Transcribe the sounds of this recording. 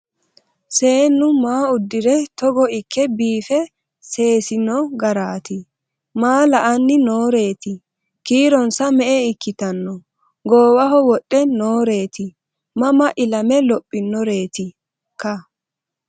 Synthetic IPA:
se̞ːnːʊmaːʊd̪ːɪɾɛt̪ɔɡɔɪkʰːɛbiːfɛ | se̞ːsɪnːɔɡɐɾaːt̪ɪ | maːlɐʔɐnːɪnoːɾe̞ːt̪ɪ | kiːɾɔnsɐmɛʔɛɪkːɪt̪ɐnːɔ | ɡoːwɐɦɔwɔɗʼːɛnoːɾe̞ːt̪ɪ | mɐmɐʔɪlɐmɛlɔpʼːɪnːɔɾe̞ːt̪ɪ | kːɐ

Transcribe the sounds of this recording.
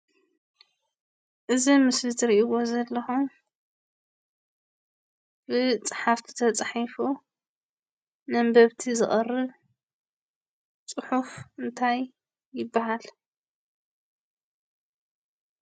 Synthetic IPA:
ʔɨzimɨslɨt̪ʰɨɾiʔiwo̞zɐlːɐxum | b̥ɨt͡sʼɨħaft̪ʰi̥t̪ʰɐt͡sʼħifu | nɐmbɐβt̪ʰizɨχʼɐrːɨβ | t͡sʼɨħufɨnt̪ʰajː | ɪbːaɦal

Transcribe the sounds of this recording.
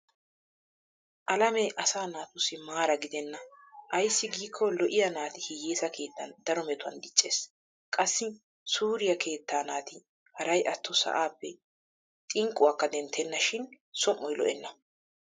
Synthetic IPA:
ʔɐlɐmɛʔɐsaːnaːt̪ʊsːɪmaːɾɐɡɪd̪ɛnːɐʔɐjsːɪɡiːkʰːɔlɔʔɪjɐnaːt̪ɪhɪjeːsɐkʰe̞ːt̪ːɐnd̪ɐɾɔmɛt̪ʊɐ̰nd̪ɪt͡ʃʼːe̞ːs | kʼɐsːɪ | suːɾɪjɐkʰe̞ːt̪ːaːnaːt̪ɪ | hɐɾɐjʔɐt̪ːɔsɐ̰ʔaːpːɛ | t̪ʼɪŋkʼːʊwakːɐd̪ɛnt̪ʰːɛnːɐʃɪn | sɔmːɔjlɔ̰ʔɛnːɐ

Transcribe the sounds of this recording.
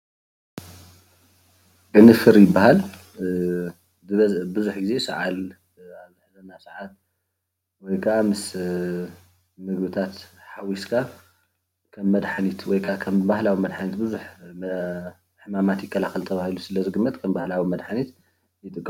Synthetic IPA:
ʔʼɨnɨfɨɾjɪbːahal | bɨzuħɡize̞sɐʕal | aβzɨħzɐnːasʕat̪ | wɔjkʰɐʔamɨs | mɨɡbɨt̪ʰat̪ħawiskʰa | kʰɐmːɐd̪ħanit̪wɔjkʰɐʔakʰɐmbahlawimɐd̪ħanit̪bɨzuħ | ħɨmamat̪jɪkʰːɐlaxɐlt̪ʰɐβahilusɨlɐzɨɡɨmːɐt̪kʰɐmbahlawimɐd̪ħanit̪ | jɪt̪ʼɨkʼː

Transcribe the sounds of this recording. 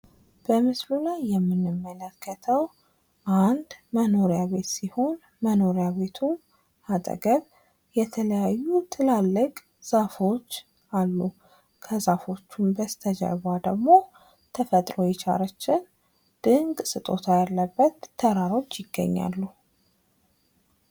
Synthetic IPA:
b̥əmɨslulajːɛmːɨnːɨmːələkʰːət̪ʰəw | ʔand̪məno̞ɾjaβe̞t̪siho̞n | məno̞ɾjaβe̞t̪ʰu | at̪ʼə̰ɡəβ | jɛt̪ʰələjajːut̪ʰɨlalːɨkʼ | z̥afo̞t͡ʃː | alːu | kʰəzafo̞t͡ʃːumbəst̪ʰəd͡ʒa̰jβʷad̪əɡmo̞ | t̪ʰəfət̪ʼɾo̞jɛt͡ʃʰʼa̰ɾət͡ʃːɪn | d̪̥ɨŋɡʼsɨt̪ʼo̞t̪ʰajalːəbːət̪ʰːəɾaɾo̞t͡ʃːjɪɡːə̰ɲːa̰lːu

